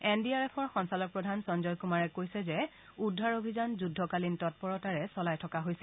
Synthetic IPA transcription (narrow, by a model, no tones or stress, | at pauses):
ɛndiaɹɛpʰɔɹxɔnsalɔk̚pɹɔdʱansɔnzɔlkumaɹɛkojsɛzɛ | udʱːaɹobʱizanzudʱɔkalintɔt̚pɔɹɔtaɹɛsɔlajtʰɔkaɦojsɛ